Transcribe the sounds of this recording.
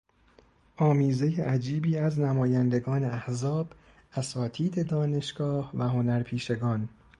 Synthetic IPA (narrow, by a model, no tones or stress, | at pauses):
ʔɒːmiːze̞jeʔæd͡ʒiːbiːæznæmɒːjænd̪e̞ɡɒːneæhzɒːb̥ | ʔæsɒːt̪ʰiːd̪ed̪ɒːne̞ʃɡ̥ɒːhvæɦo̞næɾpʰiːʃe̞ɡɒːn